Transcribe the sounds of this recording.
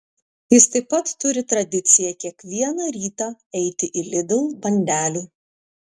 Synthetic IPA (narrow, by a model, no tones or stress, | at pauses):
jɪst̪ɐɪpːɐt̪ːʊɾʲɪt̪ɾɐd̪ʲɪt̪sʲɪjɛkʲiɛkʋʲiɛnɑːɾʲiːt̪ɑ | ɛɪt̪ʲɪʔɪlʲɪd̪ʲɪlˠbɐnʲd̪ʲæːlʲuː